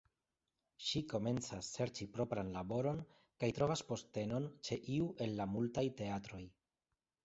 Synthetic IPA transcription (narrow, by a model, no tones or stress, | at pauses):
ʃiko̞me̞nt͡sasːe̞ɾt͡ʃipɾo̞pɾanlabo̞ɾo̞n | kajtɾo̞vaspo̞ste̞no̞nt͡ʃe̞ʔiuʔe̞nlamultajte̞atɾo̞j